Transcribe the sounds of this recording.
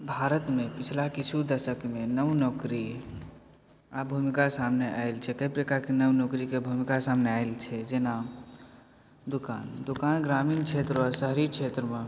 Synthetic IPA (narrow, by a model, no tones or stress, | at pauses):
bʱaɾət̪mepit͡ʃʰlakit͡ʃʰud̪əsəkmenəwnɔkɾi | abʱumikasamneʔaɪlt͡ʃʰɛkəpɾekakenəwnokɾikebʱumikasamneajlt͡ʃʰɛd͡ʒena | d̪ukand̪ukanɡɾamiːnt͡ʃʰet̪ɾasəɦɾikʰet̪ɾəme